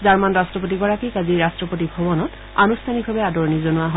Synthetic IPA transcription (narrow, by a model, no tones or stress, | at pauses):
zaɹmanɹastɹɔp̬ot̬iɡɔɹakikaziɹastɹɔpotibʱɔbɔnɔt | a̰nustʰanibʱabɛadɔɹnizonʊaɦ